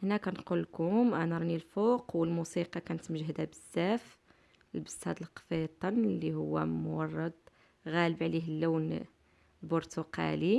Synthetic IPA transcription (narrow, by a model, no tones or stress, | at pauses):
hnækænqulːkʊmʔænæɾˤnilfoqwəlmusiqɑkænət̪mʒɦd̪æbəz̥ːæf | lbəst̪hæd̪əlqfet̪ˤːɑnlːihʊwːæ̰mʊwɑrˤːɑd̪ | ɣæləbʕliɦəlːuwn | lbʊɾt̪uqɑ̰li